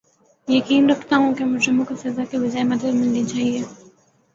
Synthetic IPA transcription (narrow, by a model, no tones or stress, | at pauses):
jɐkiːnɾɐkʰt̪aɦũkemʊd͡ʒɾɪmõkosɐzakebɪd͡ʒaːɦemɐd̪əd̪mɪlnit͡ʃaːɦie